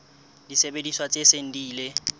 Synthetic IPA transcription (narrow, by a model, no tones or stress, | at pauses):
d̥isebediswat͡sʼeseŋ̩diːle